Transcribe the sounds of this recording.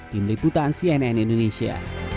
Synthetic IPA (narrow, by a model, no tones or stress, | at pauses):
d̪̥imliput̪ansiɛnɛnĩnd̪onesia̰